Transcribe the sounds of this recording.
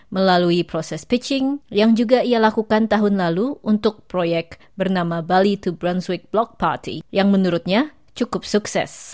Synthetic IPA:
məlaluipɾosɛspit͡ʃɪŋjaŋd͡ʒuɡaialakukant̪aɦʊnlaluʔunt̪ʊk̚pɾojɛk̚ | bərnamabalit̪ubɾanswik̚blɔk̚part̪ḭjaŋmənuɾʊt̪̚ɲa | t͡ʃukʊp̚suksɛ̰s

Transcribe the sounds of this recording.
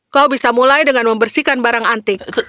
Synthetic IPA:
kaubisamulajdəŋanməmbərsikanbaɾaŋant̪ɪk

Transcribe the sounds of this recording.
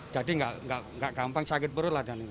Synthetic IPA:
d͡ʒadiŋɡaʔŋɡaʔŋɡaʔkampaŋsakɪt̪̚bəɾʊladani

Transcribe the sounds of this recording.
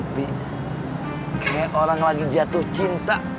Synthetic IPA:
bi | kajaʔoɾaŋlaɡid͡ʒat̪ʊht͡ʃint̪a

